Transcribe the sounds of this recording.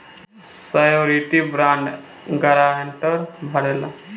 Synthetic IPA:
sajoɾiʈibɾãɳɖ | ɡəɾaeɳʈəɾbʱəɽela

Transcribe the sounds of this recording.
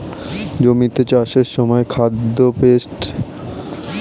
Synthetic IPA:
d͡ʑomit̪et͡ɕaʃeɾʃɔmɔekʰad̪ːopesʈ

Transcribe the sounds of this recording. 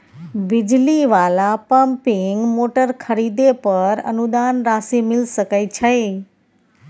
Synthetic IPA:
ʋɪd͡ʒliʋalapəmpɪŋɡmoʈəɾkʰəɾid̪epəɾə̰nud̪anɾasimɪlsəkajt͡ʃʰəj

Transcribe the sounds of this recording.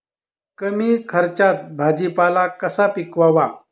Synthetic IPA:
kəmiːkʰəɾt͡ɕat̪̚bʱad͡ʑipalakəsapikʋaʋa

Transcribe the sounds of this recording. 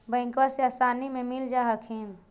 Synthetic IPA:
bə̃ɪ̃ŋkwaseasaːnimẽmild͡ʒaɦəkʰin

